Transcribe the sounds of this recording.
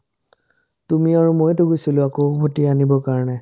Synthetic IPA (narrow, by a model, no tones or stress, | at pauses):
tumiaɹumojtoɡujsilʊ̃akobʱotianibɔkaɹɔnɛ